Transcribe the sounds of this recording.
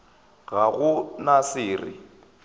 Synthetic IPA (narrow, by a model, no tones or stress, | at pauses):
ɣaɣʊnasɪːrɪ̰